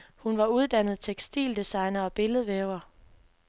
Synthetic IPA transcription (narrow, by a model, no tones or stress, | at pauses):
hunʋɑ̈uð̞ˠd̥ænð̞̩ˠt͡sʰeɡ̥sd̥ḭːld̥isɑ̈ɪnɐɒ̽b̥e̝ləð̩ˠʋeʊɐ